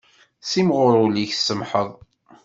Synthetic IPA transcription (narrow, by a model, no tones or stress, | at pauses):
simʁʊɾˤʊliçsəmħəðˤ